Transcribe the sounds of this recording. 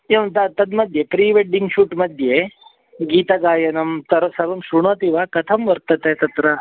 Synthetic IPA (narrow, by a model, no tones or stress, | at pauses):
eʋɐt̪ɐt̪ɐd̪mɐd̪ʱjepɾiːʋeɖiŋɡʃuːʈmɐd̪ʱje | ɡiːt̪ɐɡaːjɐnɐmt̪ɐɾɐsɐɾʋɐmʃɾuɳot̪iʋɐkɐt̪ʰɐmʋɐɾt̪ɐt̪et̪ɐt̪ɾɐ